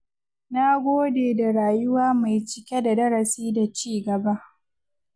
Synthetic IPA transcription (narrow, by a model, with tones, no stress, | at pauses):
na˦ɡʷoː˦deː˨da˨ɽaː˨jʊ˦waː˦ma˨jt͡ʃɪ˦kʲe˦da˨dɐ˦ɾɐ˨siː˦da˨t͡ʃiː˦ɡɐ˨ba˦ʔ